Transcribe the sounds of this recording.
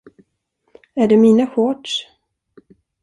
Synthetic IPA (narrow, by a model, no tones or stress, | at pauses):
æɖɛmiːnaɧɔʈʂ